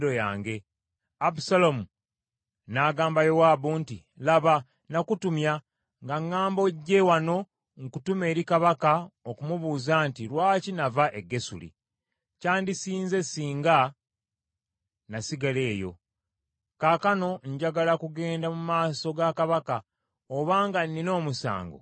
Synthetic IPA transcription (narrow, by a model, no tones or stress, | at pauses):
dojaːŋɡe̞ | abusalomu | naɡaːmbajo̞waːbuːntḭ | laβa | nakutumja | ŋɡaŋːaːmboɟːe̞wano̞ | ŋkutume̞ːɾikaβakaokumuβuːzantilwaːcinavaʔe̞ɡe̞sṵlḭ | caːndisiːnze̞siːŋɡa | nasiɡale̞ːjo̞̰ | kaːkano̞ɲɟaɡalakuɡe̞ːndamumaːso̞ɡakaβaka | oβaːŋɡanːino̞ːmusa̰ːŋɡo̰